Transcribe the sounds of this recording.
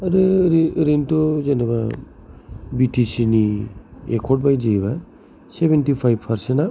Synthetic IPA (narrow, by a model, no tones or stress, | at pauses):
aɾɯɾiɾintɔzenaba̰ | bitʰisiniḛkʰɔʈ̚bajd͡ʒejba | sebentipʰajb̚pʰaɾsena